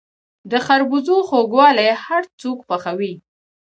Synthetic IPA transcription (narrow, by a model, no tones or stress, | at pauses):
d̪əxaɾbuzoxoɡwɑlajhaɾt͡sokpaxawi